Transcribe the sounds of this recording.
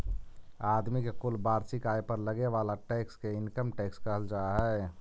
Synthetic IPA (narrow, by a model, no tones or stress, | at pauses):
aːd̪mikekʊlbaːɾsɪkaːipəɾləɡeʋaːlaʈɛːkskeɪnkəmʈɛːkskəɦəld͡ʒaːɦɛː